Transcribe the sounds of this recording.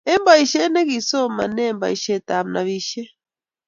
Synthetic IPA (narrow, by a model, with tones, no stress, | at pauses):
ɛ˦mba˨i˨ʃɛ˦nɛ˦ki˨sɔ˦ma˨nɛ˦˨mba̰˨i˨ʃɛ˨ta˨m̩˨na̰˨βi˨ʃɛ˦